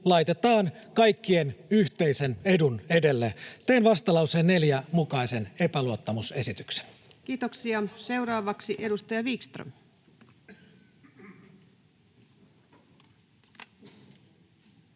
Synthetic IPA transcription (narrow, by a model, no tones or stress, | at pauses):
lɑjt̪e̞t̪ɑːnkɑjkːie̞nyçt̪eisene̞dune̞de̞lːet̪eːnʋɑst̪ɑlɑwseːnːe̞ljæmukɑise̞ne̞pæluot̪ːɑmuse̞sit̪ykse̥n | kiːt̪oksiɑse̞wrɑːʋɑksiʔe̞dust̪ɑjɑʋikst̪rø̰m